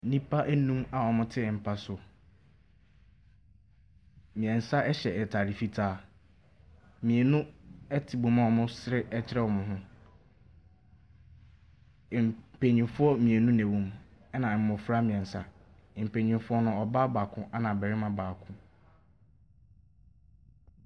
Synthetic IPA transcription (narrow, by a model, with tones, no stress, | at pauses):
n̩˦nĩ˦pʰa˦ʔæ˦nũ˦ma˨ɔ˨mʊ̃˦tʰɪ˦˨m̩˨pʰa˦sʊ˨ | mĩ˨ɛ̃˨n̩˨sa˦ɛ˦ɕɛ˨ɛ˨tʰa˨ɾi˨fi˦tʰaː˦˨ | mĩ˨e˨nũ˦ɛ˦tʰɪ˨bõ˨mã˦˨ɔ˨mʊ̃˦sɾɪ˦ɛ˦t͡ɕʰɪ˦ɾɛ˦wɔ˨mʊ̃˨ɦʊ̃˦˨ | pʰe˨ɲĩ˨fʊ˦ɔ˦mĩ˨e˨nũ˦nɛ̃˨wũ˦mɛ˦nã˨m̩˨mʊ̃˨fɾa˦mĩ˨ɛ̃˨n̩˨sa̰˨ | m̩˨pẽ˨ɲĩ˨fʊ˦ɔ˦nʊ̃˦ɔ˨baː˦ba˨kʰʊ̃˦ʔa˦nã˨bɛ˨ɾɪ˦mã˨baː˨kʰʊ̃˦